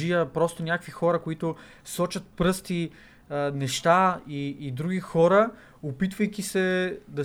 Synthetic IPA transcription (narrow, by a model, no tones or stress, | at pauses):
ijəpɾɔst̪onʲjakvixɔɾɐkoit̪o | sɔt͡ʃɐt̪̚pɾɤst̪i | nɛʃt̪aiːd̪ɾuɡʲixɔɾə | opit̪vəjkʲisɛd̪ɐ